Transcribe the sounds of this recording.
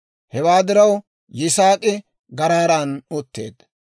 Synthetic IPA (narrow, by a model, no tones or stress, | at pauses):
hɛwaːd̪ɪɾɐw | jɪsaːkʼɪ | ɡɐɾaːɾaːnʊt̪ːḛːd̪